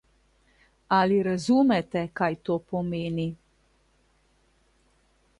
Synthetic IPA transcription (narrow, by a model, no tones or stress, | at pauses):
aliɾazuːmɛt̪ɛkajt̪oːpɔmeːni